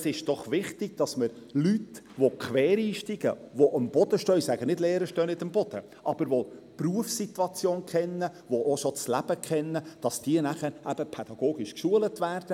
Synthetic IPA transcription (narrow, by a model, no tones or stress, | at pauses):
sɪʃd̥ɔχʋɪχtɪɡ̥̚d̥ɑsməɾ | lyt | ʋokʰʋɛːɾiːʃtiɡ̥əʋoʔəmb̥ɔd̥̪əʃtœsæɡ̥ənɪdleːɾəʃtœːnɪtəmbɔd̥ə | ʔɑb̥əɾʋo | pruəfsitwɑt͡sjoːnkχɛnːəʋoʔoʃot͡slæb̥əkʰχɛnːəd̥ɑsd̥iənæχəɾæb̥əpʰɛd̥ɑɡ̥oːɡɪʃkʃuələtʋæːrd̥ə